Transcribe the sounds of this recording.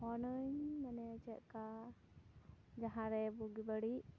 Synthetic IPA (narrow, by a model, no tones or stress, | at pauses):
ɔnəɲmanɛt͡ʃɛʔka | d͡ʒaɦãɾɛbuɡibəɽiʔ